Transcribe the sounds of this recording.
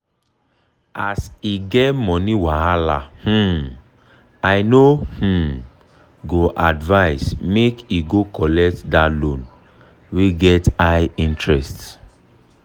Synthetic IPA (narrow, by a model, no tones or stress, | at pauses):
asiɡɛtmɔ̃niwaalah̩ | aɪnoh̩ | ɡoʔadvaɪsmekiɡokɔlɛk̚tdalõn | weɡɛtaɪĩntɹɛst